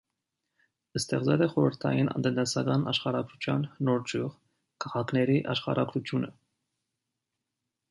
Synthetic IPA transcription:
əst̪ɛʁt͡sɛlɛχɔɾəɾt̪ʰɑ̰jinɑ̰nt̪ənt̪ɛsɑɡɑnɑʃχɑɾɑɡɾut͡ʃʰjɑnːɔɾd͡ʒʰuʁ | kʰɑʁɑkʰnɛɾiʔɑʃχɑ̰ɾɑɡɾut̪ʰjunə

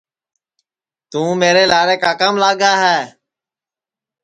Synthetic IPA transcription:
t̪ũːmeːɾeːlaːɾeːkaːkaːmlaːɠaːɦɛː

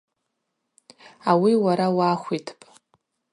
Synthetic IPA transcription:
awiwaɾawaːχʷitʰpʼ

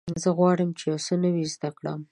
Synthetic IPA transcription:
zəɣwɑɽəmt͡ʃejawsənəwizd̪akɽa̰m

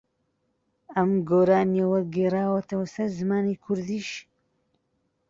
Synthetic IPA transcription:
ɐmɡoːɾaːniɐwɐɡeːraːwɐt̪ʰɐwɐsɐɾzɨmaːnikʰʊɾd̪iːʃ

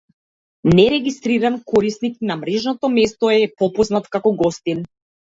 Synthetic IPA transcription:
nɛɾɛɡist̪ɾiɾankɔɾisnik̚namɾɛʒnɔt̪ɔmɛst̪ɔɛpɔpɔznat̪kakɔɡɔst̪in

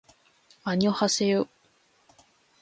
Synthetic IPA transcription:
aɲiohasejo

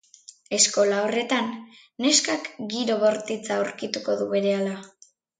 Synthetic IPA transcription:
e̞sko̞lao̞re̞t̪anː | e̞skakɡiɾo̞βo̞ɾt̪it͡sawɾkit̪uko̞ðuβe̞ɾe̞ala

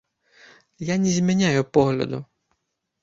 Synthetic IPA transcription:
janʲɛzʲmʲɛnʲajʊpɔɦlʲɐ̰d̪ʊ

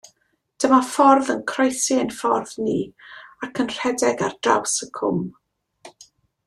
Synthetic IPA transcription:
d̥əmafɔrðənkʰrɔjsiənfɔrðniːakʰənr̥ɛdɛɡardra̰wsəkʰʊ̰m

